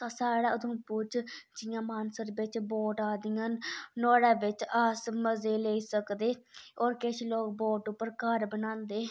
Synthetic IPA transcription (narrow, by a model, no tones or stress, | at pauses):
asaːɽaːəd̪õːpʊt͡ʃd͡ʒɪjãːmaːnsəɾbɪt͡ʃboːʈaːd̪ɪjãːnnoːɽaːʋɪt͡ʃəsməzeːleːiːsəkd̪eːoːɾkɪʃloːkboːʈʊpːəɾkəɾbənãːnd̪eː